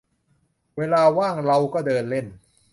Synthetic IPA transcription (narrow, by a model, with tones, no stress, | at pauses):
weː˧laː˧waː˥˩ŋɾa˧wkɔː˥˩dɤː˧nle˥˩n